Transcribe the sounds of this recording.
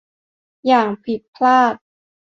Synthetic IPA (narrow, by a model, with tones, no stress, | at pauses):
jaː˨˩ŋpʰi˨˩t̪̚pʰlaː˥˩t̪̚